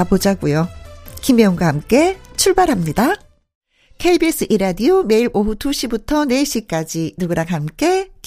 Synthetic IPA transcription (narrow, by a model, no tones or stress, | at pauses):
abod͡ʑaɡujokimjʌŋɡwaɦamk͈e̞t͡ɕʰuɭbaɾɦamɲida | kʰeibis͈ʰɯʔiɾadiome̞iɾʔoɸutuɕʰibutʰʌne̞ɕ͈ik͈ad͡ʑinuɡɯɾaŋɦamk͈e̞k